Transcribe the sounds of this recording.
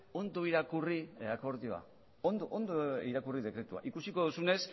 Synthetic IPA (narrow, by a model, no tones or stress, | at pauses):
o̞nd̪oiɾakuriako̞ɾðioa̰ | ond̪oʔond̪oiɾakuriðe̞kɾe̞t̪ua̰ʔikusiko̞ðusune̞s